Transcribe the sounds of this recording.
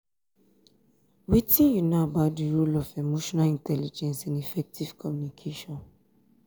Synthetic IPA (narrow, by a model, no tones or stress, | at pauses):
witĩnjunaabaʊt̚diɹulɔfemoʃɔnalĩntʰɛlid͡ʒɛ̃nsãnifɛk̚tʰiv̥kʰɔmjunikʰeʃɔ̃n